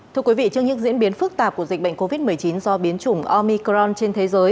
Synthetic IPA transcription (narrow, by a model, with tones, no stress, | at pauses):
t̪ʰɨ˧əwi˨˦vḭ˧˨t͡ɕɨ˧əŋɲɨ̰˧˥ŋzḭ˧˥ənɓi˨˦ənfɨ˦˥k̚t̪aː˨˩p̚ku˧˩əzi˨˩k̟̚ɓə̰˧˨ŋko˧vi˦˥t̚mɨ˨˩jt͡ɕi˨˦nzɔ˧ɓi˨˦ənt͡ɕʊ˨˧˩ŋ͡mʔɔ˧mi˧kzɔ˧nt͡ɕe˧nt̪ʰe˨˦zəː˨˦j